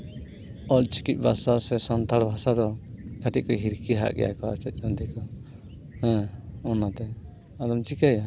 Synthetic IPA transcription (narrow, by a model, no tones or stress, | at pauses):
ɔlt͡ʃi̥kit̪̚bʱasasɛsant̪aɽbʱasad̪ɔkʰaʈiʔkɔɦiɾkiɦa̰ʔɡɛ̰ja̰kɔa̰t͡ʃɛt̪̚ˀɔnd̪ikɔ | hɛ̃ɔnat̪ɛ | ad̪ɔmt͡ʃikaja